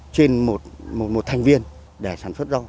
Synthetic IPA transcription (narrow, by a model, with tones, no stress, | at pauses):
t͡ɕe˧nmo˨˩t̚mo˨˩t̚mo˨˩t̚t̪ʰa˨˩ŋ̟vi˧ən | ɗe˧˩saː˧˩nswə˦˥t̚zɔ˧